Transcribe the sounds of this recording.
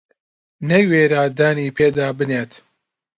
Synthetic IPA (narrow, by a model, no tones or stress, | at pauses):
nɐjweːɾaːd̪aːniːpʰeːd̪aːbɨneːt̪